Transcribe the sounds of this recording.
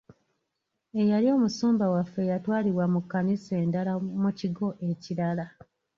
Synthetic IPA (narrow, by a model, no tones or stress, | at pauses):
e̞jalio̞ːmusuːmbawafːe̞jatwaːliɾwamukːanise̞ːndalamuciɡo̞ʔe̞ciɾala